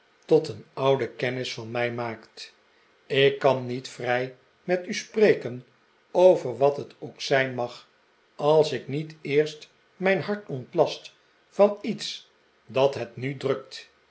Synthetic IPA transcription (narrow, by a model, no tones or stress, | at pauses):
tɔtənɑwdəkɛnɪsfɑnmɛjmaːkt | ɪkːɑnːitfrɛj | mɛtysprejkən | owvəɹʋɑtɦətowksɛjnmɑχ | ɑlˠsɪknitɪːɹst | mɛjnɦɑɹtɔntlɑst | fɑnits | dɑtɦɛtnydrɵk̚t